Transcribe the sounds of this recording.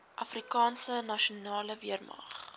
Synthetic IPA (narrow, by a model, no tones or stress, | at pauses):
ʔɐfrikɑːnsənɐʃonɑːləviərmɐ̰χ